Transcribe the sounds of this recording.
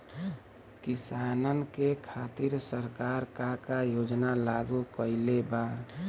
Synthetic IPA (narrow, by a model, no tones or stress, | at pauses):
kisanənkekʰaːt̪iɾsəɾkaɾkakajoːd͡ʒnalaɡukəɪleba